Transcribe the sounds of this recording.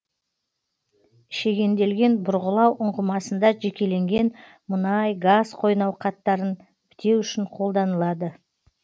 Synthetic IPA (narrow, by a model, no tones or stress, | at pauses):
ʃe̞ɡʲe̞nd̪e̞lɡʲe̞nbʊɾʁəlˠɑwʔʊɴʁəmɑsənd̪ɑʒe̞kʲe̞le̞ŋɡʲe̞n | mənɑjɡazqʰo̞jnɑwqʰɑt̪ːɑɾən | b̥ɪt̪e̞wʏʃɪɴqʰo̞lˠd̪ɑnəlˠɑd̪ə